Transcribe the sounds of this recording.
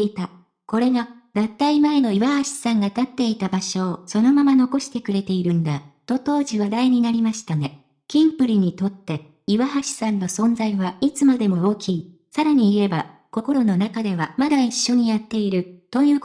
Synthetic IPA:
it̪a | ko̞ɾe̞ɡad̪at̪ːaimae̞no̞iβahaɕi̥sãŋɡat̪at̪ːe̞it̪abaɕo̞ːso̞no̞mamano̞ko̞ɕi̥t̪e̞kɯ̟ɾe̞t̪e̞iɾɯ̟̃nd̪at̪o̞t̪o̞ːʑiβad̪aiɲ̟inaɾʲimaɕi̥t̪ane | kʲĩmpɯ̟ɾʲiɲ̟it̪o̞t̪ːe̞ | iβaɦaɕi̥sãnːo̞sõ̞nd͡zaiβait͡sɨmad̪e̞mo̞oːkʲiː | saɾaɲ̟iːe̞bako̞ko̞ɾo̞no̞nakad̪e̞βamad̪aiɕːo̞ɲ̟ijat̪ːe̞iɾɯ̟t̪o̞jɯ̟ː

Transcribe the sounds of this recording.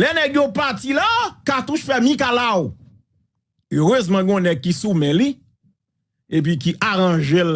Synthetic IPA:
lɛnɛɡjopatilakat̪uʃfɛmĩkalaw | øʁøzmãɡɔ̃nɛɡ̚kisumɛ̃li | ep̬ik̬iʔaʁɐ̃ʒel

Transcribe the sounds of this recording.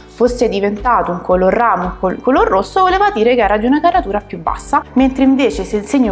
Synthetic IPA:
fosːed̪ivent̪aːt̪ouŋkolorːaːmouŋkokolorːosːovoleːvad̪iːɾekeɛːɾad̪iunakaɾat̪uːɾapjubːa̰sːament̪ɾeiɱveːt͡ʃeselseɲːo

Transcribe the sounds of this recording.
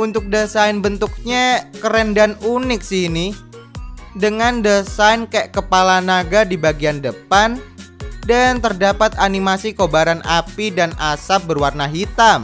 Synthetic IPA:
unt̪ʊk̚dəsaɪnbənt̪uk̚ɲakəɾɛndanunɪk̚sini | dəŋandəsainkɛʔkəpalanaɡadibaɡiandəpandant̪ərdapat̪animasikobaɾanʔa̰pidanasap̚bərwarnaɦit̪am

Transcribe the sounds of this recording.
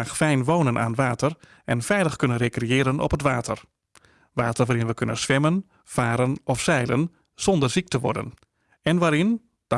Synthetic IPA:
xfɛjnʋownənʔa̰ːnʋaːtər | ɛnfɛjləxkønənrekrejɪːɾənɔ̰pɦətʋaːtʰər | ʋaːtərʋaːɾɪnʋəkʰønə̰nsʋɛmən | faːɾənɔfsɛjlən | z̥ɔndərzik̚təʋɔ̰rdə̰n | ɛnʋaːɾɪn | d̥

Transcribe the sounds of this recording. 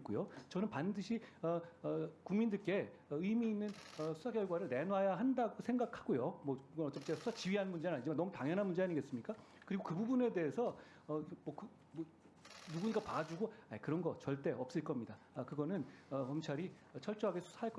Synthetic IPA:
k͈ujot͡ɕʌnɯnpandɯɕʰiʌkuŋmindɯɭk͈e̞ | ʌɯimiːnːɯnʌsʰu̥sʰakjʌɭɡwaɾɯɭne̞nwajaɦandaɡosʰeŋɡakʰaɡ̥ojomʌkɯɡʌnʌt͡ɕ͈et͡ɕeasʰu̥sʰat͡ɕiɥiɦanmund͡ʑenaɲd͡ʑimanʌmutaŋjʌnɦanmund͡ʑeaɲiɡe̞ts͈ɯmɲik͈a | kɯɾiɡokɯbubune̞de̞ːsʰʌː | mʌkɯ | mʌ | nuɡuɲiɡapad͡ʑuɡoajkɯɾʌnɡʌt͡ɕʌɭt͈e̞ʔʌp̚s͈ɯɭk͈ʌmɲida | kɯɡʌnɯnʌpʌmt͡ɕʰaɾi | ʌt͡ɕʰʌɭt͡ɕ͈oɦaɡesʰu̥sʰaɦaɭk͈ʌ

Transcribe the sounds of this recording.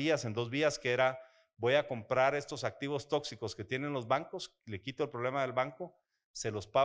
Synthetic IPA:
iase̞nd̪o̞zβiaskeeɾa | bo̞jako̞mpɾaɾe̞st̪o̞sak̚t̪iβo̞st̪o̞ksiko̞ske̞t̪je̞ne̞nlo̞zβaŋko̞s | le̞kit̪o̞elpɾo̞βle̞maðe̞lβaŋko̞ | se̞lo̞spa

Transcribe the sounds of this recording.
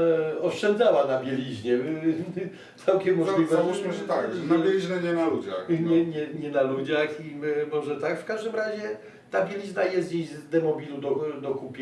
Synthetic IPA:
ɔʂt͡ʂɛnd̪zawanabʲjɛlʲiʑɲɛ | t̪sawkʲɛmːɔlʲivɛuʃmɨɛt̪aknaɛlʲiʑɲɛɲɛnalud͡ʑaxɲɛɲɛɲɛnalud͡ʑaximɔʐɛt̪akfkaʐd̪ɘmɾaʑɛ | t̪abʲjɛlʲiʑnajɛst̪̚d͡ʑeʑzd̪ɛmɔbʲilud̪ɔd̪ɔkupʲ

